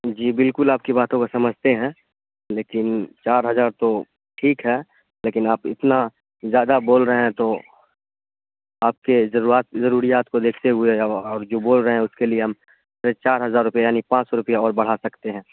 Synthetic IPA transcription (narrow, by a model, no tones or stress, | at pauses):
d͡ʒiːbɪlkʊlaːp̚kibaːt̪õkosɐməd͡ʒʱt̪eɦɛ̃ː | leːkɪnt͡ʃaːɾɦɐzaːɾt̪o | ʈʰiːkɦɛː | leːkɪnaːpɪ̰t̪na | zjaːd̪aboːlɾəɦeɦɛ̃t̪o | aːp̚kezɐɾuaːt̪̚zɐɾuːɾijaːt̪kod̪eːkʰt̪eɦʊeɔːɾd͡ʒoːboːlɾəɦeɦɛ̃ʊskelieɦɐm | ʃɾet͡ʃaːɾɦɐzaːɾːʊpijajaːnipãːt͡ʃsɔɾʊpijaɔːɾbɐɽ̤asɐkt̪eɦɛ̃ː